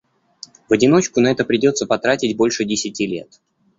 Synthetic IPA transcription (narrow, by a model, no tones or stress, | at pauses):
vɐdʲɪno̞t͡ɕkʊnɐɛt̪əpɾʲɪdʲo̞t̪səpɐt̪ɾatʲɪtʲbo̞lʲʂɨdʲɪsʲɪtʲilʲe̞̰t̪